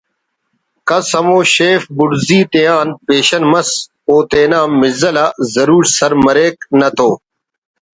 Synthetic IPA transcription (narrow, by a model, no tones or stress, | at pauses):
kɐsəmoːʃeːfbʊɽziːt̪ejaːnpeːɕənmɐs | oːt̪eːnaːmːɪzəlaːzəɾuːɾsəɾməɾeːknɐt̪ʰoː